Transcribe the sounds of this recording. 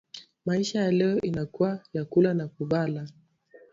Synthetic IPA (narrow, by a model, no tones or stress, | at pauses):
maiʃajalɛɔʔinakuajakulanakuɓala